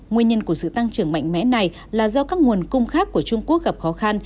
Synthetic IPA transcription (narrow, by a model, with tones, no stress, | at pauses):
ŋwəɲə˧nku˧˩əsɨ̰˧˨t̪a˧ŋt͡ɕɨ˧˩əŋma̰˧˨jŋ̟mɛ̰˧˥na˨˩j | laː˨˩zɔ˧kaː˦˥k̚ŋu˨˩ənkʊ˧ŋ͡mxaː˦˥kːu˧˩ət͡ɕʊ˧ŋ͡mku˦˥ək̚ɣa˨˩p̚xɔ˨˦xa˧n